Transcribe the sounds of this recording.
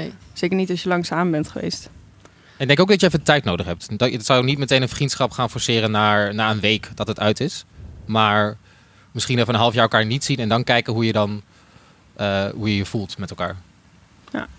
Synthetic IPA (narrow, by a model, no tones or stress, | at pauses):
nejz̥ejkəɹnitɑsjəlɑŋsaːməbɛntχəʋḛjst | ɪɡ̚dɛŋkoʊwɡdɑtjəɛfəntɛjtnowdəχɦɛp̚tdtsɑljoknitmətejnənfrintsχɑpχaːnfɔɹsɪːɾənaːɹnaːənʋejkd̥ɑtətœɥtɪsmaːɹ | mɪsχinɛfənənɦɑlˠəfjaːəlˠkaːɹnitsinɛndɑnkɛjkəɦujədɑn | ʔəɦujəjəv̥ulˠtmɛtɛlˠka̰ːɹ | ja̰